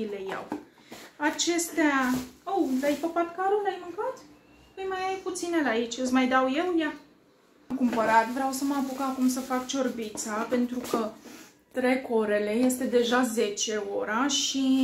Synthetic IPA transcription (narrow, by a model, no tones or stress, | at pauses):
ile̞ja̰w | at͡ʃe̞st̪eaowlajpəpat̪kaɾulajmɨŋkat̪ | pɨjmajajput̪sine̞lait͡ʃʲɨsmajd̪awje̞wja | mkumpəɾat̪vɾeawsəməapukakumsəfak̚t͡ʃo̞rbit̪sape̞nt̪ɾukə | t̪ɾe̞ko̞ɾe̞le̞je̞st̪e̞d̪e̞ʒaze̞t͡ʃe̞o̞ɾaʃi